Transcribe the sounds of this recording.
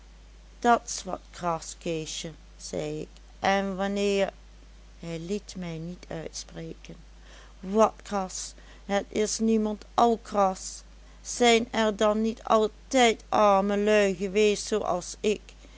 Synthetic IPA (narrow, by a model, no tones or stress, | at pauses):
d̥ɑtɪ̥sʋɑ̰tkrɑskeʃə | z̥ɛ̰jɪ̰k | ʔɛnʋɑnɪːɹ | hɛjlitmɛjnitʰœ̰ɥtspreːkən | ʋɑtkrɑs | ɦətɪsnimɑntɑlˠkrɑsː | ɛjnɛɹdɑnːitʰɑ̰lˠtɛjtɑɹməlœɥɣəʋeːstsowʔɑ̰lˠsɪk